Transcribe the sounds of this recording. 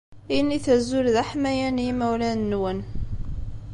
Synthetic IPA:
iniθæzːʊlðæħmæjænmæwlænːwən

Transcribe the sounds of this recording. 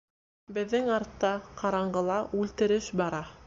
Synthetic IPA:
bɘ̆ðːɘŋɑɾt̪ːɑqɑɾɑɴɢɤ̆lˠɑʔʉlt̪ɘ̆ɾɘʃbɑɾɑ

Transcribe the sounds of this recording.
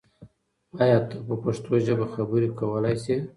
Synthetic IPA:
ɑjɑt̪apəpaʂt̪oʒəbaxabəɾikawəlajsi

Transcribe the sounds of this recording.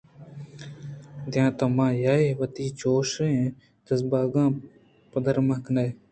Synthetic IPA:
d̪jãːt̪ɐmãːjaːeʋət̪iːt͡ʃoːʃẽː | d̪əsbaːɡãː | pəd̪əɾməkne

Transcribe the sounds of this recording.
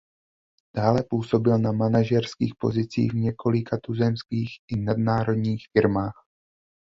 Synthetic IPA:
d̥aːlɛpuːso̞bɪlnamanaʒɛɾskḭːxpo̞̰zɪt͡sḭːɣvɲɛkʰo̞lɪkʰat̪uzɛmskiːxʔɪnad̚naːɾo̞dɲiːxfɪɾmaːx

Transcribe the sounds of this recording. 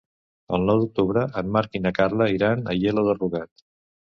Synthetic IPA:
əlˠnɔwd̪uk̚t̪uβɾəʔəmmaɾkinəkarləiɾanəjeləðəruɣat̪

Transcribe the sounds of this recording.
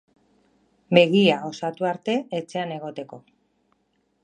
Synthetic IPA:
be̞ɣiao̞sat̪uaɾt̪e̞et͡se̞ane̞ɣ̞o̞t̪e̞ko̞

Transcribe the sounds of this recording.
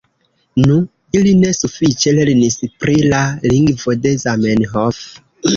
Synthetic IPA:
nũ | ilinesufit͡ʃeleɾinispɾilaliŋɡvodezamenɦɔf

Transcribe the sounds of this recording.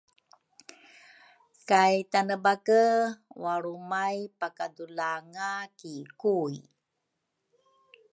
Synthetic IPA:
kajtanəbakəwaɾumajpakadulaŋakikui

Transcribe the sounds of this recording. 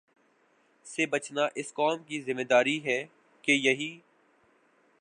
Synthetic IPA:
sebɐt͡ʃnaʔɪskɔːmkizɪmed̪aːɾiɦɛː | kejɐɦiː

